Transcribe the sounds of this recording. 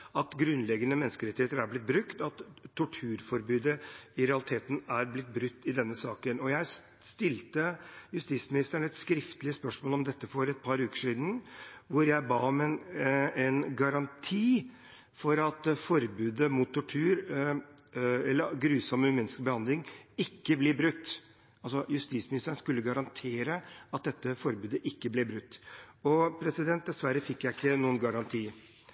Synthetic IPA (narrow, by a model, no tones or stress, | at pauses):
ɑt̪ɡɾʉnlɛɡːənəmɛnːskəɾɛt̪ːɪheːt̪əɾæblɪt̪̚bɾʉkt̪ɑt̪ʰːʊʈʰʉːɾfɔɾbʉːd̪əɪɾɛɑlɪt̪ʰeːt̪n̩æɾblɪt̪̚ːbɾʉt̪ːɪd̪ɛnːəsɑːkənɔjæɪ | st̪ɪlt̪əjʉst̪iːt̪smɪnɪst̪əɳɛt̪skɾɪft̪əlɪəspœʂmoːlɔmd̪ɛt̪ːəfɔɾɛt̪̚pʰɑɾʉːkə̥ʂiːd̪n̩ʋʊɾjæɪbɑːɔmɛnɛnɡɑɾɑnt̪ʰiː | fɔɾɑt̪fɔɾbʉːd̪əmut̪ʰːʊʈʰʉːɾ | ɛlːəɾɡɾʉːsɔmːəmɛnskbəhɑnd̪lɪŋɪkːəblɪbɾʉt̪ː | ɑlsɔjʉst̪iːsmɪnɪst̪əɳ̩skʉlːəɡɑɾɑnt̪ʰeːɾəɑt̪̚d̪ɛt̪ːəfɔɾbʉːd̪əʔɪkːəblɪːbɾʉt̪ːɔpʰɾɛsɪd̪ɛnt̪̚d̪ɛsʋæɾːəfɪkːjæɪɪkːənuːənɡɑɾɑnt̪ʰiː